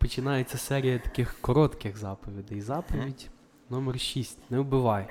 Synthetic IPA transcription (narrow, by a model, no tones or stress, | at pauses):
pɔt͡ʃɪnɑjet͡sʲːɐsɛɾʲijɐt̪ɐ̥kɪxkɔɾɔt̪kɪxzɑpɔʋʲid̪ɪjzɑpɔʋʲidʲ | nɔmɛrʃisʲtʲnɛbɪʋɑj